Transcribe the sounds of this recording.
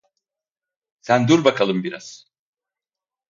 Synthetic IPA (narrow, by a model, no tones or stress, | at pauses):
sænd̪uɾbakʰalˠɯmbiɾa̰z̥